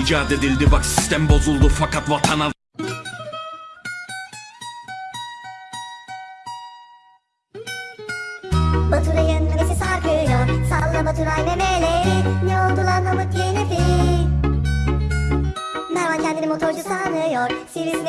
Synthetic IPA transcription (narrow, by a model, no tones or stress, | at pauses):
id͡ʒaːd̪ed̪ilʲd̪ibaksi̥st̪ɛmbo̞zulˠd̪ufakʰat̪vat̪ʰana | bɐt̪ʰulajɯnmesisaɾkʰɯjoɾsalˠːabɐt̪ʰulajmɛmelɛneolˠd̪ulˠanmamɯklinefi | mɛɾvancʲʰɛnd̪inimot̪ʰoɾd͡ʒusanɯjoɾsiɾizm